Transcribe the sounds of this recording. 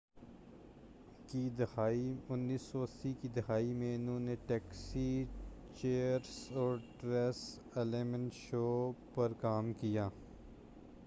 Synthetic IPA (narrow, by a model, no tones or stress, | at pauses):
kid̪ɐxaːiʊnːiːsːɔːsikid̪ɐxaːimẽʊnɦõːneʈɛːksit͡ʃeːəɾsɔːɾʈɾɛs | eleːmə̃ɳʈʃoːpɐɾkaːmkijaː